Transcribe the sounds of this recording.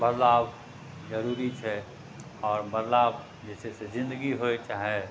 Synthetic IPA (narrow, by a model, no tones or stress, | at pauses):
bəɾlaːb | zɐɾuːɾit͡ʃʰɛ | ɔːɾbəɾlaːb | d͡ʒɛːsesezɪ̃nd̪əɡiɦoet͡ʃaːɦe